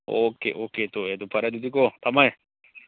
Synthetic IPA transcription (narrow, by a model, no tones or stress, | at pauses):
oːkḛʔoːket̪oet̪upʰɐɾɛd̪ud̪ikot̪ɐmae